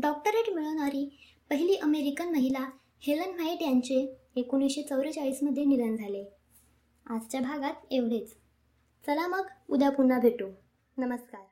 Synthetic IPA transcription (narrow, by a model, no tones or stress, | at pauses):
ɖɔk̚ʈəɾaʈ̪miɭəʋɳ̃aɾiː | pəɦiliːʔəmeɾikənməɦila | helənʋajiʈjaɲt͡ɕeː | koñisɕet͡səwɾət͡ɕaɭiːsməd̪ʱːjenid̪ənd͡zʱale | ad͡zt͡ɕjabʱaɡat̪eʋɽet͡s | t͡səlaməɡud̪ʱapunːabʱeʈo | nəməskaɾ